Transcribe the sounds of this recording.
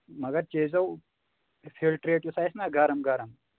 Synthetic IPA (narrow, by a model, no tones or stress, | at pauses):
mɐɡɐɾt͡ʃeːzɐw | fʰilʈɾeːʈjosaːjsnaɡɐɾɐmɡɐɾɐm